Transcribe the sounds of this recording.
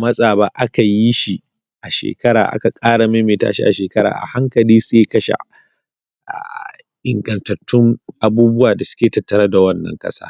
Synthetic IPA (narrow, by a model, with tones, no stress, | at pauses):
mɐ˦sʼaː˨ba˦ʔa˦ka˨ji˦ʃi˨ | ʔa˨ʃḛː˨kɐ˦ɽa̰ː˨ʔa̰˦ka˨kʼaː˦ɽa˨me˦meː˨ta̰ː˦ʃi˦ʔa̰˨ʃeː˨kɐ˦ɾa̰ː˨ʔa̰˨ha˦ŋkɐ˨liː˦seː˦kɐ˦ʃa̰˨ | ʔa̰ː˨ | ʔɪ˨ŋɡɐ˨ntɐ˨tʰːʊ˦ŋʔa˨buː˦bʊ˦waː˨da˨sʊ̥˦kʲeː˨tɐ˨tːɐ˨ɾɐ˦da˨wɐ˦nːɐ̰˨ŋkʼɐ̰˦sa̰ː˦